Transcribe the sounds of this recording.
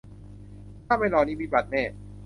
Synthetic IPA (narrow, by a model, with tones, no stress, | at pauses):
kʰaː˥˩ma˧jlɔː˨˧˩niː˦˥˩miː˧˩ba˨˩t̪̚nɛː˧˩